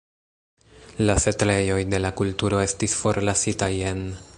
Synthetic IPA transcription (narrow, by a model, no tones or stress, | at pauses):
lase̞tɾe̞jo̞jde̞lakultuɾo̞e̞stisfo̞ɾlasitaje̞n